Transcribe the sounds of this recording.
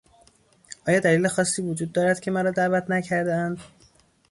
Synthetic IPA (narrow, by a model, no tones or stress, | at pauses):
ʔɒːjɒːd̪æliːle̞xɒːsːiːvod͡ʒuːd̪̚ːɒːɾæd̪̥cʰe̞mæɾɒːd̪æʔvæt̪ʰnæcʰæɾd̪æænd̪